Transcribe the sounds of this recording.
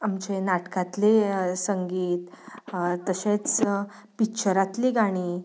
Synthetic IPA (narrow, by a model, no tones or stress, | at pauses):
amt͡ɕenaʈkãt̪lesəŋɡiːt̪ | t̪əɕet͡s | pikt͡ɕəɾat̪liɡaɽ̃iː